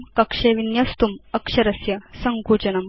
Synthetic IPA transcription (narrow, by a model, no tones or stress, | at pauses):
kɐkʂeːʋinjɐst̪umɐkʂɐɾɐsjɐsɐŋkuːd͡ʒɐnɐm